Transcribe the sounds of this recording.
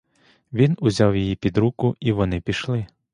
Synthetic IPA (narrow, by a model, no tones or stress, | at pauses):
ʋʲinʊzʲɑwjijipʲid̪ɾukʊiʋɔnɪpʲiʃlˠɪ